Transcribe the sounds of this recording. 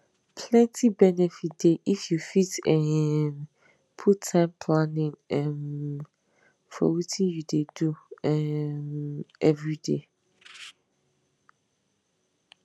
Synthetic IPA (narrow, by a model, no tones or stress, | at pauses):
pʰlɛ̃ntʰibɛnɛfit̚d̥eʔifjufitɛn | pʰutʰːãɪ̃mpʰlãnɪ̃ŋɛ̃m | fɔ̰witʰĩnjudeduɛmɛvɹide